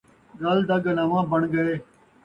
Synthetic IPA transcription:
ɡəld̪əɡənəʋãːbəɳɡəeː

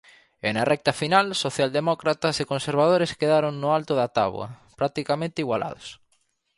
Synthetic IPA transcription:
enɐrɛk̚t̪ɐfinalsoθjald̪emɔkɾat̪ɐsekonseɾβ̞að̞oɾɪskeðaɾoŋnʊalt̪ʊðɐt̪a̰βw̰ɐ̰pɾak̚t̪ikamẽnt̪ɪiɣwalʔa̰ðʊ̰s

